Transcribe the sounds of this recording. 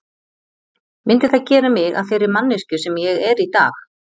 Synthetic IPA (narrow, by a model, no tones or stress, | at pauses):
mɪnt̪ɪθaðcɛːɾamɪɣa̰ðfɪɾɪɾmanːɪscʏsɛmjɛɣɛɾit̪a̰ːx